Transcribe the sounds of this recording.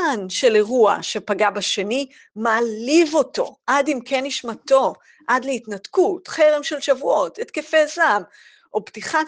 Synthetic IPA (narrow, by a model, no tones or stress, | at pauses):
anʃe̞le̞ʁua̰ʃe̞paɡabaʃe̞ni | maːlivo̞to̞̰ʔadimkʰeniʃmato̞ | ʔadleitnatkutχe̞ʁemʃe̞lʃavuo̞tetkefezam | ʔobtiχa